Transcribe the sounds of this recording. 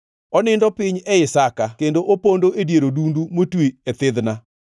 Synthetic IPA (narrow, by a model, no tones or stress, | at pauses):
ɔnɪndɔpɪɲɛɪsakakendoʔopondoedjeɾodundumotwiet̪ɪðna